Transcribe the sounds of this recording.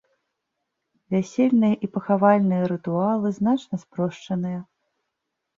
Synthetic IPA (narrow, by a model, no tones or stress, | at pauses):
vʲæsʲɛlʲnɨjɐʔipɐxavalʲnɨjɐɾɨt̪ualˠɨznat͡ʂnɐspɾɔʂt͡ʂɐnɨjɐ